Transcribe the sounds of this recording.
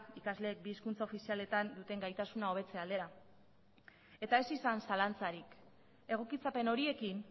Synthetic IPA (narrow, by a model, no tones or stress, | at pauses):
ikazle̞ːk̚biːskunt͡sao̞fisiale̞t̪and̪ut̪e̞ŋɡajt̪asunao̞β̞e̞t͡se̞ald̪e̞ɾa | e̞t̪ae̞sisansalant͡saɾik | e̞ɣ̞o̞kit͡sape̞no̞ɾie̞kin